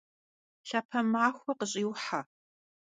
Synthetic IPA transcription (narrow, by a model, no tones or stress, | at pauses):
ɬapʰɐmaːxʷɐqəɕʼiːwħa